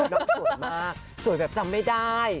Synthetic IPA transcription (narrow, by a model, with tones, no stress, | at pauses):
nɔː˧˦˩u˨˩maː˥˩˥k̚su˨˩˦jbɛː˨˩p̚t͡ɕa˧mːa˥˩jdaː˥˩j